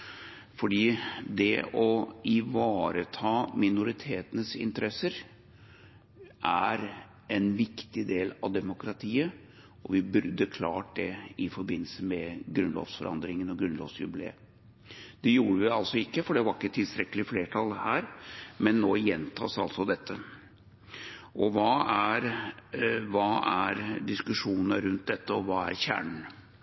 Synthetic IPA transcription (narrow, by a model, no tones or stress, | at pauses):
fɔɖiːd̪ɛ̰ɔɪʋɑːɾət̪ʰɑːmɪnʊɾɪt̪ʰeːt̪ənəsɪ̰nt̪əɾɛsəɾ | ʔæɾ | ʔɛnʋɪkt̪ɪd̪eːlɑʋd̪ɛmʊkɾɑt̪ʰiːə | ɔʋɪbʉɾd̪əkʰlɑ̰ːʈ̚d̪ɛɪfɔɾbɪnːləsəmɛɡɾʉnlɔ̰ːʋsfɔɾʔɑ̰nd̪ɾɪŋənɔɡɾʉnlɔ̰ːʋsjʉ̰blḛːə | d̪̥ɛjuːɾəʋɪɑlsɔɪkːəfɔɖɛʋɑɾɪkːət̪ʰɪlst̪ɾɛkːəlɪfleːʈʰɑlhæːɾmɛnːoːjɛnt̪ʰɑ̰ːsɑlsɔd̪ɛt̪ʰːə | ɔʋɑːæɾ | ʋɑːæɾd̪ɪskʉʂuːnnəɾʉnt̪̚d̪ɛt̪ːəɔʋɑːæ̰ɾçæ̰ːɳɳ̩